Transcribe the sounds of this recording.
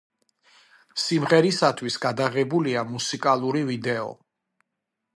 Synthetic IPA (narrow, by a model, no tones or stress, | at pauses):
simʁɛɾisat̪ʰwisɡad̪aʁɛbuliamusikʼalˠuɾivid̪ɛɔ̰